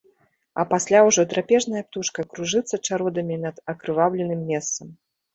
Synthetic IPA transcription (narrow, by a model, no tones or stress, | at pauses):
ɐpasʲlʲawʐɔt̪ɾapʲɛʐnɐjɐp̚t̪uʂkɐkɾuʐɨt̪sːɐt͡ʂaɾɔd̪ɐmʲinɐd̪̥ɐkɾɨvawlʲɛnɨmːʲɛst̪sɐm